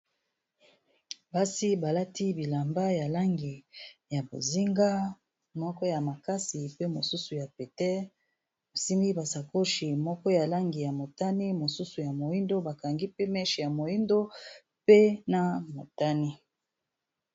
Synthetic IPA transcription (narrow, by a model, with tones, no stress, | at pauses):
ba˦si˦ba˨la˦ti˦bi˨la˨mba˦ja˨la˦ŋɡi˨ja˨bo̰˨zi˦ŋɡa˦ | mɔ˦kɔ˦ja˨ma˨ka˦si˨pe˦mo˨su˦su˨ja˨pe˨tɛ˦ | bo˨si˦mi˦ba˨sa˨ko˦ʃi˨mɔ˦kɔ˦ja˨la˦ŋɡi˨ja˨mo˨ta˦ni˦mo˨su˦su˨ja˨mo˨ji˦ndo˦ba˨ka˨ŋɡi˦pe˦mɛ˦ʃi˨ja˨mo˨ji˦ndo˦ | pe˦na˨mo˨ta˦ni˦